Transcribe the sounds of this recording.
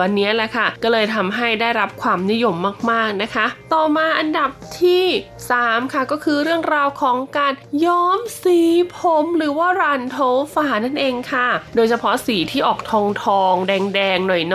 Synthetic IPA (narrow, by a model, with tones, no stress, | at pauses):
wa˧nːi˦˥ɐlɛ˨˩kʰa˥˩kɔː˥˩lɤː˧jt̪ʰa˧mɦa˥˩jdaː˥˩jɾa˦˥p̚kʰwaː˧mni˦˥jo˧mːaː˥˩k̚maː˥˩k̚na˦˥kʰa˦˥t̪ɔː˨˩maː˧ʔa˧nda˨˩p̚t̪ʰiː˥˩ | saː˨˩˦mkʰa˥˩kɔː˥˩kʰɯː˧ɾɯ˥˩əŋɾaː˧wkʰɔː˩˦ŋkaː˧njɔː˦˥msiː˨˩˦pʰo˨˦mɾɯː˩˦waː˥˩ɾaː˧nt̪ʰoː˧˥wfaː˨˧˦na˥˩nʔeː˧ŋkʰa˥˩doː˧jt͡ɕʰa˧pʰɔ˦˥siː˨˩˦t̪ʰiː˥˩ʔɔː˨˩k̚t̪ʰɔː˧ŋt̪ʰɔː˧ŋdɛː˧ŋdɛː˧ŋnɔ˨˩jn